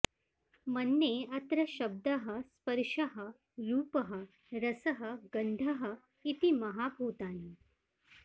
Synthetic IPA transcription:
mənːeɐt̪ɾɐɕɐb̚d̪əɦə̆spəɾʂɐɦə | ɾuːpəɦə | ɾɐsəɦəɡəɳɖʱɐɦə̆ | it̪imɐɦabʱuːt̪aːni

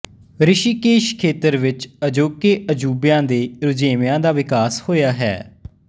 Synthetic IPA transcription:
ɾɪʃiːkeːʃkʰeːt̪əɾʋɪt͡ʃəd͡ʒoːkeːʔəd͡ʒuːbjãːd̪eːɾʊd͡ʒeːmjãːd̪aːʋɪkaːshoːjaːɦɛ̰ː

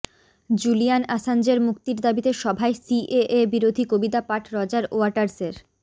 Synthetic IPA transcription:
d͡ʑulijanasand͡ʑeɾmukt̪iɾd̪abit̪eʃɔbʱaesiʔeʔebiɾod̪ʱikobid̪apaʈʰɾɔd͡ʑaɾoaɾʈaɾseɾ

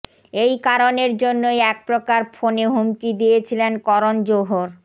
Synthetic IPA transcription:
ejkaɾoneɾd͡ʑonːojɛk̚pɾokaɾfʰoneɦumkid̪ijet͡ɕʰilenkɔɾond͡ʑoɦoɾ

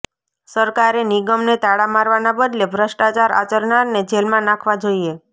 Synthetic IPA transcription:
səɾkaɾeniɡəmnet̪aɽamaɾʋanabəd̪lebʱɾəʃʈat͡ʃaɾa̰t͡ʃəɾnaɾned͡ʒelmãnãkʰʋad͡ʒoie

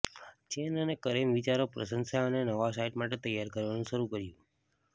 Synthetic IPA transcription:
t͡ʃenənekəɾemʋit͡ʃaɾopɾə̰sə̃nsaənenəʋasaiʈmaʈet̪əjaɾkəɾʋanũʃəɾukəɾjũ

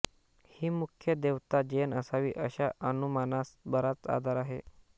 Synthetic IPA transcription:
hiːmukʰjəd̪eʋt̪ad͡ʑenəsaʋiːʔəɕaʔənumanasbəɾat͡sa̰d̪ʱaɾaɦḛ

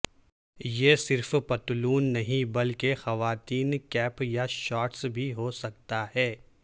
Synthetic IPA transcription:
jesɪɾfpɐt̪luːnːɐɦĩbɐlkexɐʋaːt̪iːnkɛːpjaʃɔːʈsbʱiɦosɐk̚t̪aɦɛː

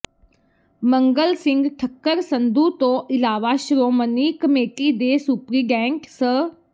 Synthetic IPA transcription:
məŋɡəlsɪ̃ŋɡʈʰəkːəɾsənd̪uːt̪õːʔɪlaːʋaʃɾoːməniːkəmeːʈiːd̪eːsuːpɾiːɡɛ̃ːŋksə

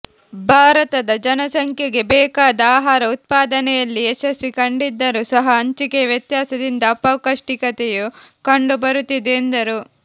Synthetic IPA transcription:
bʱaːɾɐt̪ɐd̪ɐd͡ʒɐnɐsɐŋkʰjɐɡe̞bɛːkaːd̪ɐaːɦaːɾɐut̪̚paːd̪ɐnɛjɐlːiɛʃɐsʋikɐɳɖid̪ːɐɾusɐɦɐːɲt͡ʃikeʋjɐt̪jaːsɐd̪ind̪ɐːpɐwkɐʂʈikɐt̪ejukɐɳɖubɐɾut̪ːid̪eːnd̪ɐɾu

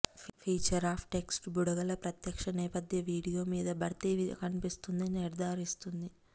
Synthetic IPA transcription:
pʰiːt͡ʃɐɾaːpʰʈe̞ksʈbuɽɐɡɐlɐpɾɐt̪jɐkʂɐnɛːpɐd̪ʱjɐʋiːɽijo̞ːmiːd̪ɐbɐɾt̪iʋiɐ̰kɐnipist̪und̪ɐniniɾd̪ʱaːɾist̪und̪i

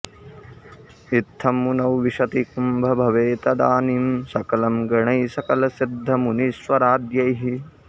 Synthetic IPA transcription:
it̪ʰːɐmːunɐwʋiʃɐt̪ikumbʱɐbʱɐʋeːt̪ɐd̪aːnimsɐkɐlɐmɡɐɳɐjsɐkɐlɐsid̪ʱːɐmunisʋɐɾaːd̪jɐjɦi

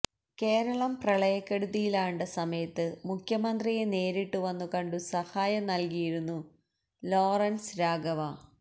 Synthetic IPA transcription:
ke̞ːɾɐɭɐmprɐɭɐjɐkːeɽuðijilaːjɳɖɐsɐmɐjɐt̪ːɨmukʰjɐmɐnd̪rije̞ne̞ːɾiʈːuʋɐnːukɐɳɖusɐhaːjɐnɐlkijiɾunːu | lo̞ːrɐnsɾaːɡɐʋa

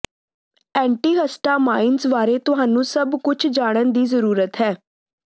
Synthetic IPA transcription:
ɛ̃ːɳʈiːɦəsʈaːmaːinzʋaːɾeːt̪ʊɦaːnũːsəbkʊt͡ʃʰd͡ʒaːɽ̃ənd̪iːzəɾuːɾət̪ɦɛː

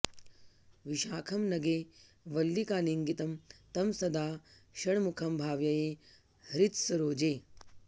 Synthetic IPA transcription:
ʋiʃaːkʰɐmnɐɡeː | ʋɐlːikaːniŋɡit̪ɐmt̪ɐmsɐd̪aː | ʃɐɳmukʰɐmbʱaːʋjɐjeː | hɐɾit̪sɐɾoːd͡ʒeː

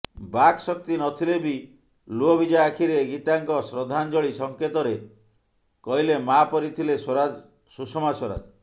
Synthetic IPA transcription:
baksɔk̚t̪inɔt̪ʰilebi | luɔbid͡ʒaakʰiɾeɡit̪aŋkɔsɾɔd̪ʱand͡ʒɔɭisɔŋket̪ɔɾe | kɔɦilemapɔɾit̪ʰilesɾad͡ʒ | susɔmasɔɾa̰d͡ʒ

